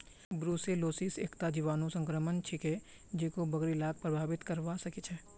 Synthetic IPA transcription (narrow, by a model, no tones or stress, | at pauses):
bɾuːseloːsisḛːkt̪ad͡ʒiʋaːnõsə̃ŋkɾəmənt͡ʃʰɪke | d͡ʒekobɐɡɾilaːk̚pɾəbʱaːʋɪt̪kəɾʋasɐkit͡ʃʰɛː